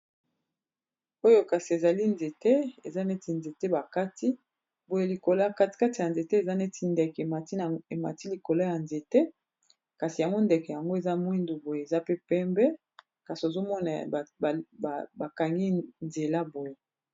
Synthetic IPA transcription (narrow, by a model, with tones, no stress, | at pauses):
o˦jo˦ka˨si˨e˨za˨li˦nze˨te˦e˨za˦ne˦ti˨nze˨te˦ba˨ka˦ti˦ | bo˨je˦li˨ko˨lo˦˨ka˦ti̥˨ka˦ti˨ja˨nze˨te˦e˨za˦ne˦ti˨˦ndɛ˨ke˨a˨te˨ma̰˨ti˦li˨ko˨lo˦ja˨nze˨te˦ | ka˨si˨ja˨ŋɡo˦nde˨kɛ˨ja˨ŋɡo˦e˨za˦mwi˦ndu˨bo˨je˨e˨za˦pe˦pɛ˦mbɛ˦ | ka˨si˨o˨zo˦mɔ˦na˨ba˨ka˨ŋɡi˦nze˨la˦bo˨je˦